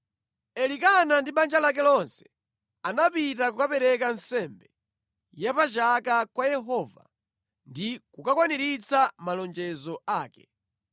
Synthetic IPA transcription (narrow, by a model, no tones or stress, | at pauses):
ɛlikanandiɓand͡ʒalak̬ɛlɔnsɛ̥ | anapitakukapɛɾɛkansɛmbɛ | japat͡ʃakakwajɛɦɔːva̰ | ndikukakwaniɾit͡samalɔnd͡ʒɛzɔaːkɛ̥